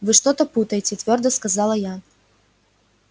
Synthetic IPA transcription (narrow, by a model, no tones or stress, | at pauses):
vɨʂt̪ɔt̪ɐput̪ɐjet͡sʲɛt̪vʲɔrd̪ɐskazalˠɐja